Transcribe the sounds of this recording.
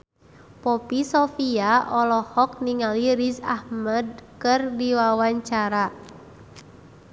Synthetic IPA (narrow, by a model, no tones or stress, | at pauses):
pɔpisɔfiaʔɔlɔhɔk̚niŋaliɾisahməd̚kɨrdiwawaɲt͡ʃaɾa